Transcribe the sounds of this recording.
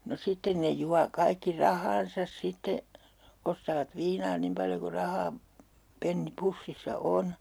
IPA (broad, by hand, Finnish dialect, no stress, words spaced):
no sitːen ne juɑ kɑikːi rɑhɑːn̞sɑs sitːe ostɑːʋɑt ʋiːnɑː nim pɑljo ku rɑhɑː penːi pusːisːɑ on